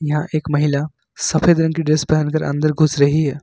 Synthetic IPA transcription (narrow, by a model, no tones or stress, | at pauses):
jɐɦãʔeːkmɐɦɪla | sɐpʰeːd̪ɾɐ̃ŋkiɖɪsbɛɦənkɐɾʔɐ̰̃nd̪əɾɡʱʊsɾɐɦiɦɛː